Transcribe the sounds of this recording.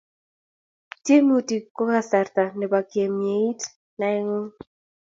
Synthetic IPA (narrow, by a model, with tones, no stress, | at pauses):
tje˦m˦u˨ti˨ko˦ka˦˨sa˨rt̪a˨nɛ˨ba˨kje˨mje˨i˦t | na˨˦ɪ˦ŋo˦